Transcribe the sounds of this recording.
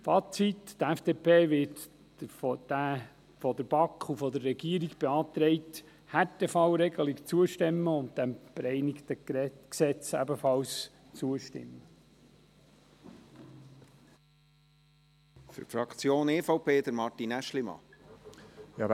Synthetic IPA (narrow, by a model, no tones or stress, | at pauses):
fɑːt͡sittæfd̥eːpʰeːʋɪt | fd̥æ | fɔd̪əb̥ɑkχufɔd̪əɾːɛɡiːəɾiɡb̥eɑːt̪ɾɛɪt | hætefɑwɾɛɡəlikt͡suəʃtɛmːəʊnt̚d̥æmb̥eɾɛɪnɪkt̪əksɛt͡sæbəfɑls | t͡suəʃtɪ̰mːə | fʏ̰ɾfɾɑkt͡sjoːneːfɑwpʰeːd̪əɾmɑɾtinæʃlimɑ̰ | jɑ